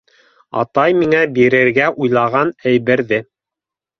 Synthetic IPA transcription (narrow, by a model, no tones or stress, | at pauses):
ɑ̰t̪ɑjmiŋæbiɾɘ̆ɾɡæʔujlˠɑʁɑnæjβɘ̆ɾðɘ